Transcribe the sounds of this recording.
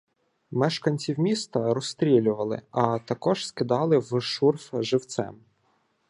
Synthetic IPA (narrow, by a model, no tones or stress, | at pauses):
mɛʃkɐnʲt͡sʲiwmʲist̪ɐɾɔst̪ɾʲilʲʊʋɐlˠɪ̰ɐt̪ɐkɔʒskɪd̪ɑlˠɪwʃurfʒɪwt̪sɛ̰m